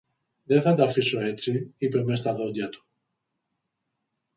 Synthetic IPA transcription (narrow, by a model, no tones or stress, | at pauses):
ðeθɐtd̪ɐfiso̞e̞t͡siipe̞me̞s̬t̪ɐðo̞d̪ʝɐt̪u̥